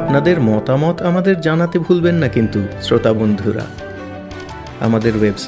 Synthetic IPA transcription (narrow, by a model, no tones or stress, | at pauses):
pnad̪eɾmɔt̪amɔt̪amad̪eɾd͡ʑanat̪ebʱulbenːakint̪usɾot̪abond̪ʱuɾa̰ | a̰mad̪eɾwebs